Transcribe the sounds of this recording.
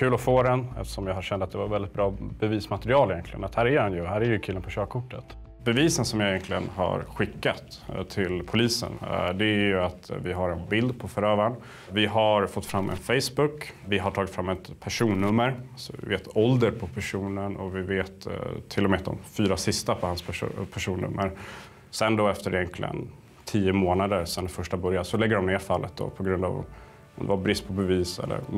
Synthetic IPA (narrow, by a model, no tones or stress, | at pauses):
kʰʉ̟ːlɔfoːd̪ɛnɛ̰ft̪ə̥ʂɔmjahaɕɛnd̪əat̪̚d̪ɛvaɾvɛld̪ɪt̪̚bɾɑːb̥ɛviːsmat̪əɾɪɑːlɪjɛnkʰlɪɡə̰nat̪hæːɾæhɛnjɵɦæːɾæɾjɵkʰʉːlːənpʰɔɕøːkʰʊʈːət̪ | bɛviːsənsɔmjajɛnk̪lɪɡə̰nɦa̰ɾɧɪkːat̪ | t̪ʰɪlpʰʊliːsə̰nd̪ɛæɾjɵat̪vɪɦaɾɛnbɪld̪pʰɔfœɾøːvaɳ | vɪɦaɾfɔt̪ːfɾamːʔɛ̰nfɛjsbɵkːvɪɦaʈʰɑːɡɪt̪fɾamːɛt̪pʰæʂuːnːɵmːəɾsɔvɪ̰veːt̪ɔld̪əɾpʰɔpʰæʂuːnənʔɔ̰vɪveːt̪t̪ʰːɪlːɔmɛat̪̚d̪ɔ̰mfyːɾasɪst̪apʰɔhanspʰpʰæʂuːnːɵ̰mːəɾ | sɛnd̪ɔɛft̪əɾjɛŋkʰlɪ̰ə̰n | t̪ʰiːəmoːnad̪əɾsɛnfœʂʈabœɾjasɔlɛɡːəɖɔmneːɾfalːʔət̪̚d̪ɔ̰pʰɔɡɾɵnd̪a̰v̰ | ɔ̰md̪ɛvabɾɪst̪pʰɔbɛviːsɛ̰lːə̰ɾ